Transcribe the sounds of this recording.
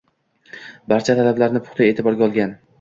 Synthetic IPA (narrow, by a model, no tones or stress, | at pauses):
baɾt͡ʃʰat̪ʰalablaɾnɪpʰʊ̥χt̪ʰaeːt̪ʰɪbɒɾɡʲaɒlˠɡʲan